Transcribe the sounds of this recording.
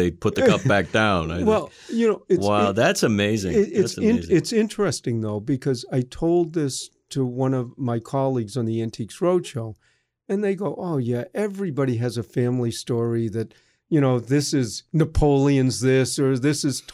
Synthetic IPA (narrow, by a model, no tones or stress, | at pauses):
eɪpʰʊt̪̚ðɨkʌp̚b̥æk̚d̥ãʊ̃na̰wɛlˠ | jɨnoʊɨswaʊðætsɨmeɪzɪ̰̃ŋɪɪssɪ̃nɪtsɪ̃nt͡ʃɹ̥ɨstɪ̃ŋðoʊbɨkʰʌzaɪtʰoʊlˠd̪̚ðɪstʰəwʌ̃nʌvmaɪkʰɑlˠiɡzn̩ðiæ̃ntʰiksɹoʊd̥ʃoʊ | ɨ̃nðeɪɡoʊʔoʊjæʔɛvɹibɑɾiɨzɨfæ̃mlistɔɹiðɨt̚ | jɨɾ̃oʊðɪsɪznɨpʰoʊlˠiɨ̃nzðɪsə˞ðɪsɨz̥ʰ